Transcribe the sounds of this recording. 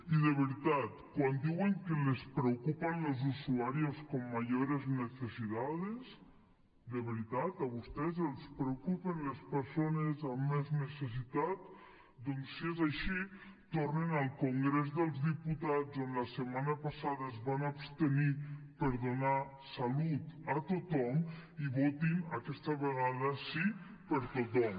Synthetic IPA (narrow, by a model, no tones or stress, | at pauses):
iðeβiɾit̪at̪kwand̪iweŋkelespɾewkupanlelˠzusuaɾioskomːaʒoɾeznesesiðaðes | d̪eβeɾit̪at̪aβ̞ust̪ɛzelˠspɾewkupenlespəɾsonezamːezneses̬it̪at̪̚ | d̪ɔnsːiezaʃi | t̪ornenalˠkuŋɡɾezðəlˠzðiput̪azonləsəmanəpasaðəezβanapst̪ənipəɾðuna | salut̪at̪ut̪ɔmiβot̪inakɛst̪əβəɣaðəsi | pəɾt̪ut̪ɔm